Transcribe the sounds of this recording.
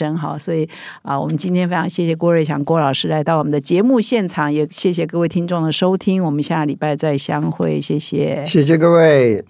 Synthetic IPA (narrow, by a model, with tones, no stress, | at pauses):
ə˧˥nxɑ˨˩˦ʊswɔ˧˥i˨˩ | ə˧wɔ˨˩mə˦nt͡ɕi˥nt̪ʰjɛ˥nfe˥ʈ͡ʂʰɑ˧˥ŋɕjɛ˥˩ɕ̬jɛ˨˩kwɔ˥˧ɻə˥˩ɪɕjɑ̰˨˩ŋkwɔ˥lɑ˨˩ʊʂɻ̩˥la˧˥ɪt̪ɑ˥˩wm˦nd̪ə˧t͡ɕjɛ˧˥mu˥˧ɕjɛ˥˩nʈ͡ʂʰɑ˨˥ŋjɛ˨˩ɕjɛ˥˩ɕ̬jɛ˨˩k̬ɤ˥˧we˥˩ɪt̪ʰi˥nʈ͡ʂʊ˥˩ŋd̪ə˩ʂo˥ʊt̪ʰi˥ŋwɔ˨˩mə˦nɕja˥˩li˨˩pa˥˧ɪt͡sa˥˩ɪɕjɑ˥ŋxwe˥˩ɪɕjɛ˥˩ɕjɛ˨˩ɕjɛ˥˩ɕ̬ɛ˨˧kə˥˧we˥˩ɪ